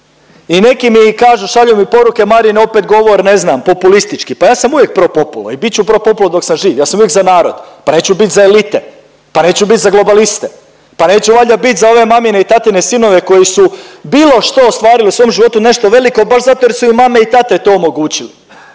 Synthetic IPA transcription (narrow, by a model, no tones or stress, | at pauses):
ine̞kimikaːʒuʃaʎujumipo̞ɾuke̞maɾineo̞pet̪ɡo̞ʋo̞ɾne̞znampo̞pulist̪it͡ʃkipajaːsamuʋjek̚pɾopo̞pulo̰ibit̪t͡ɕupɾo̞po̞pulod̪o̞ksamʒiːʋjaːsamuvjekzanaːɾo̞̰d̪̥pane̞ːt͡ɕubit̪ʲzaelit̪e | pane̞ːt͡ɕubit̪ʲzaɡlˠo̞balist̪e | pane̞ːt͡ɕuʋaʎabit̪ʲzao̞ʋe̞mamineit̪at̪inesino̞ʋe̞ko̞jisubiːlˠo̞ʃt̪o̞ːst̪ʋaːɾiliusʋo̞ːmʒiʋo̞t̪une̞ʃt̪o̞ʋe̞liko̞baʃzat̪oje̞ɾsuimame̞it̪at̪e̞t̪o̞ːomo̞ɡuːt͡ɕili